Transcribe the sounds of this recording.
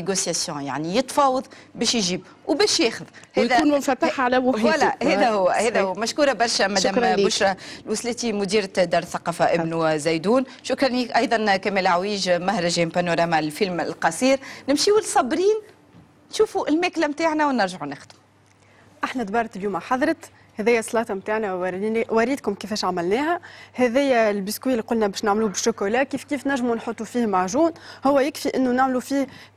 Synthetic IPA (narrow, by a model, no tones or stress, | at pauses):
eɡosjasjɔ̃ja̰ʕnijət̪fɑːwɑðˤ | bɛːʃjʒiːb | wbɛːʃjɛːxʊðhɛːðæuːnmʊnfæt̪ːaħʕalæmʊwælːæhɛːðæɦʊwːæhɛːðæhʊwːmæʃkuːɾˤɑbɑɾˤʃæmæd̪æːmbʊʃɾɑlwʊslɛːt̪imʊd̪iːɾd̪ɑːɾˤθɑqɑːfaʔɪbnuzæjd̪uːn | ʃʊkɾˤɑniʔɑjðˤɑnkæmeːlʕawiːʒmahɾˤɑʒɛːmpanoɾˤɑːmalfilmɪlqɑsˤiːɾnɪmʃiːwɪlsˤɑbɾiːn | nʃuːfuʔɪlmæːklæmt̪aːʕnɛwnɪɾʒaʕunɪxd̪m | ʔaħnæd̪bɑɾˤt̪ɪljuːmaħɑðˤɾˤɑt̪ | hæðæːjːæsˤlɑːt̪ɑmt̪aːʕnæwɾnwæɾiːd̪kʊmkefɛːʃʕamælnɛːɦæhɛðæjːælbiskwiːlːiqʊlnæbɛːʃnaʕmluːbɪʃʊkulæːʔkiːfkiːfnæʒːmunħot̪ˤːufiːhmaʕʒuːnhʊwːæjɪkfiʔɪnːʊnaʕmlufiːh